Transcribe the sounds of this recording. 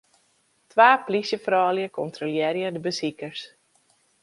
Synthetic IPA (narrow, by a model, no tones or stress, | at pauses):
tʋaːplisjəfrɔːljəkʰɔntroljɪːɾjədəbəsikərs